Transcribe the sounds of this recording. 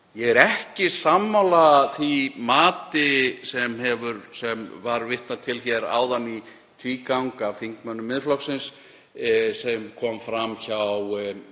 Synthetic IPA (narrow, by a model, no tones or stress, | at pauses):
jɛɣɛɾɛhcɪsamːawlaθimaːt̪ɪsɛmɛvʏɾsɛmvaɾvɪht̪at̪ʰɪlçɛɾa̰ːwðanːi | t̪ʰviːkawŋkav̥θiŋ̥kmœnːʏmɪðflɔksɪns | sɛmkʰɔmfɾamçaw